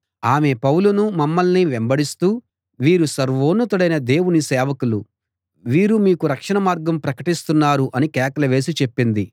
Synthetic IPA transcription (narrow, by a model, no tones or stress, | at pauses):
aːme̞pɐwlunumɐmːɐlniʋembɐɽist̪uː | ʋiːɾusɐɾʋoːnːɐt̪uɽɐjnɐd̪e̞ːwunisɛːʋɐkulu | ʋiːɾumiːkuɾɐkʂɐnɐmaːɾɡɐmpɾɐkɐʈist̪unːaːɾuʔɐnikɛːkɐlɐʋe̞ːs̬it͡ʃe̞pːind̪i